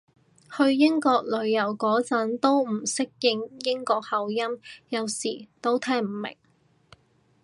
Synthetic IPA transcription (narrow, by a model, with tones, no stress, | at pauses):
hɵ˧ɥjɪ˥ŋkɔː˧k̚lɵ˨˧ɥjɐ˨˩wkɔː˨˥t͡sɐ˨˥nt̪o˥wm̩˨˩sɪ˥k̚jɪ˧ŋjɪ˥ŋkɔː˧k̚hɐ˨˧wjɐ˥mjɐ˨˧wsiː˨˩t̪o˥wt̪ʰɛː˥ŋm̩˨˩mɪ̰˨˩ŋ